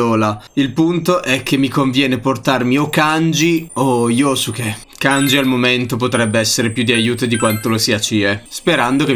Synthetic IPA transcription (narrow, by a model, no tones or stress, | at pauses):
oːlailpunt̪oʔɛk̟ːemːikoɱvjɛːneport̪armiokːand͡ʒioiːosuk̟ːe | kːand͡ʒialmoment̪op̬ot̪ɾɛbːeɛsːeɾepjud̪ːiajuːt̪od̪ikwant̪olosiːat͡ʃiespeɾand̪oke